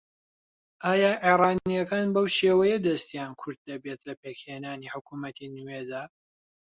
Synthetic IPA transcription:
ʔaːjaːʕeɾɑːnijɐkaːnbɐwʃeːwɐjɐd̪ɐst̪ijaːnkʰʊɾd̪̚ːɐbet̪lɐpeːkheːnaːniːħʊkumɐt̪ʰinuwed̪aː

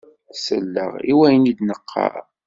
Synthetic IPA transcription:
səlːə̰ʁiwæjənid̪nəqʰːɑ̰

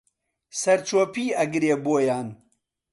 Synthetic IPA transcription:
sɐɾt͡ʃoːpiːɐɡɨɾeːboːjaːn

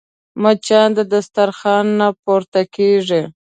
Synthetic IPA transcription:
mat͡ʃɑnd̪əd̪ast̪aɾxɑnːapoɾt̪akeʐi

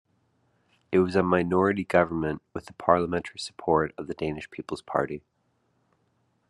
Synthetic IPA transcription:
ɨt̚wʌzəmaɪnɔɹɨɾiɡʌvə˞mɨ̃nʔwɨðəpʰɑɹlˠəmɛ̃ntʰə˞isə̥pʰɔɹɾʌvðɨdẽɪ̃nɨʃpʰipl̩ˠz̥pʰɑ̰ɹɾi

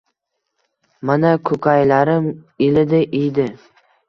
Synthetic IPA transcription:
manakʰɵkʰajlaɾɪm | ɪlɪd̪ɪʔijd̪ɪ

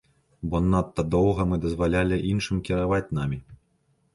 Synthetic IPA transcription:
bɔnːat̪ːɐd̪ɔwɣɐmɨd̪ɐzvalʲalʲiʔinʂɨmkʲiɾavat͡sʲnamʲi

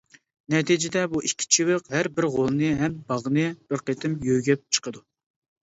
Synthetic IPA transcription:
nɛt̪ʰid͡ʒɪd̪ɛbuʔikʲʰːi̥t͡ʃʰiwɨqhæɾbɪɾʁolˠnɨɦɛmbɑʁnɨb̥ɪɾqʰet̪ʰɪmjøjɡʲɛp̚t͡ʃʰə̥qʰəd̪u

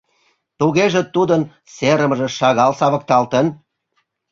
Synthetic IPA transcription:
t̪uɣeʒet̪ud̪ən | seɾə̆məʒĕʃɑɣɑlsɑβə̆k̚t̪ɑlt̪ən

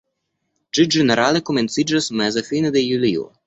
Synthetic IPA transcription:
t͡ʃid͡ʒɛneɾalekomɛnt̪sid͡ʒasmɛzefinɛd̪ejuliṵ

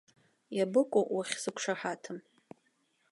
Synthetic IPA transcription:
jabɨkʷʼoʔwaχʲsɨkʷʂaħatʰɨm

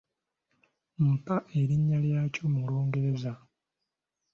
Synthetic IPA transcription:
m̩paʔe̞ɾiɲːaljaːco̞mulo̞ːŋɡe̞ɾe̞za

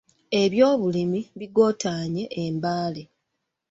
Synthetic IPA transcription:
e̞βjo̞ːβulimiβiɡo̞ːtaːɲe̞ʔːmbaːle

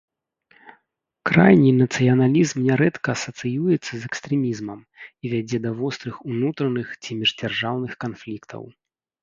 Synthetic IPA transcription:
kɾa̰jnʲinɐt̪sɨjɐnalʲizmnʲɛɾɛt̪kɐːsɐt̪sɨjujɛt̪sːɐzɛkst̪ɾɛmʲizmɐm | ivʲad͡zʲɛd̪ɐvɔst̪ɾɨxunut̪ɾɐnɨxt͡sʲimʲiʐd͡zʲarʐawnɨxkanflʲikt̪ʰɐ̰w

